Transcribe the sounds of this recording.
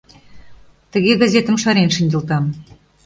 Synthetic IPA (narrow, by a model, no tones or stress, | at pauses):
t̪ə̆ɣeɣɑzʲet̪əmʃɑɾenʃə̆nʲd̪ʲɤ̆lt̪̬ɑm